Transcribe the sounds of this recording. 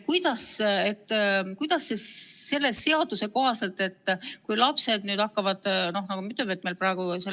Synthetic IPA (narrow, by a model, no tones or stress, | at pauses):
kujd̪̥ɑse̞t̪ːkujd̪̥ɑsːe̞sse̞lːe̞se̞ɑd̪use̞ko̞ɦɑse̞lt̪ːˑe̞t̪ːkujlɑpse̞d̪nyːd̪ɑkːɑvɑd̪̥no̞hnɑɡumyt̪ːˑøvet̪̚ːmejlprɑeɡ̥use